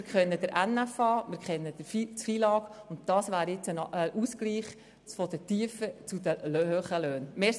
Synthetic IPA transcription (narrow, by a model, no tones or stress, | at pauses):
ɪɾkχɛnːəd̥̪əɾʔænːæfɑːmɪɾkχɛnːədəfit͡sfilɑːkʊntdɑːsʋæːɾɪt͡sənəʔuːskliːχ | fɔd̥̪ətiəfət͡sud̪əløɦøχəløːnmeː